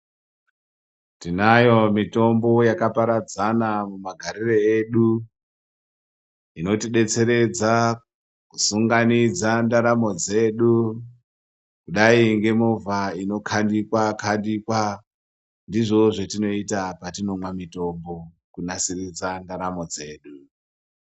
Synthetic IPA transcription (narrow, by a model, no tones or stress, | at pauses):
tinajo̞mito̞mbo̞jakapaɾad͡zanamumaɡʱaɾireeɗu | ino̞tiɗe̞t͡se̞ɾe̞d͡za | kusuŋɡanid͡zandaɾamo̞d͡ze̞ɗu | kuɗaiŋɡe̞mo̞vʱaino̞kʰandikwakʰandikwa | ndiʐo̞ʐetino̞itapatino̞mwamito̞mbo̞ | kunasirid͡zandaɾamo̞d͡ze̞ːɗu